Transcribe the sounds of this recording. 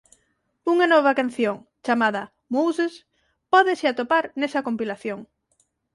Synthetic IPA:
uŋanɔβ̞akan̟θjoŋt͡ʃamaðɐ | muwses | pɔðesɪat̪opaɾnesɐkompilaθjoŋ

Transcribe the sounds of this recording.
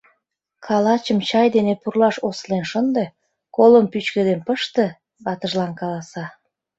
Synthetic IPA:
kʰɑlɑt͡ɕəmt͡ɕɑjd̪enepurlɑʃoslenʃənd̪e | koləmpyt͡ɕked̪enpəʃt̪e | βɑt̪əʒlɑnkɑlɑsɑ

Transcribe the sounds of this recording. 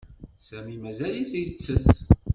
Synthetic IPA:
sæmimæzælisjət͡sːəst̪

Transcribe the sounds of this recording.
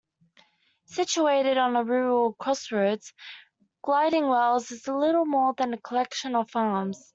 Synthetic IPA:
sɪt͡ʃueɪɾɪɾn̩əɹʉːɹəl̩ˠkʰɹ̥ɔsɹəʊdz̥ | ɡ̥laɪɾɪ̃ŋwɛlˠzɪzəlɪɾl̩ˠmɔːðə̃nəkʰəlɛkʃə̃nə̥fɑːmz̥

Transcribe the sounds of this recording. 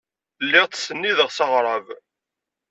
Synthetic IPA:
lːɪʁt̪ːsənːiðəʁsɑʁɾˤɑv

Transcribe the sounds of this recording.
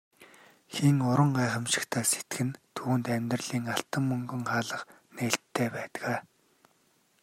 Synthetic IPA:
xiŋʊɾə̆ɴɢaːχə̆mʃɪ̥̆kt̪ʰæːse̥t̪ɡɘ̆nt̪ʰuːnt̪æmʲt̪rɮiːŋaɬt̪ə̆mːɵŋɡɵ̆ŋχaːɮə̆χ | neːɬt̪ʰːeːpæːt̪ɣaː

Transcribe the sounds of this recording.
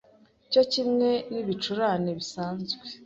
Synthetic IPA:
ico̞cimŋe̞niβit͡ʃuɾaneβisaːnzɡwe

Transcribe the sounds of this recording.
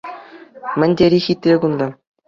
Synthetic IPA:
mʲɘ̆nʲdʲeɾʲixʲit̪ʲrʲeɡund̪ɑ

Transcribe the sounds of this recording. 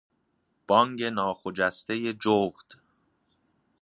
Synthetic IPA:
b̥ɒŋɟe̞nɒːxod͡ʒæst̪e̞je̞d͡ʒoːɣd̪̥

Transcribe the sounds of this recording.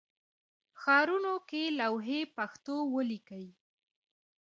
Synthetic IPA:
xɑɾunokelawɦepaxt̪owəlikəwi

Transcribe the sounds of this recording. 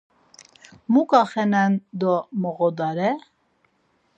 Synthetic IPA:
mukʼaχɛnɛnd̪ɔmɔɣɔd̪ɑɾɛ

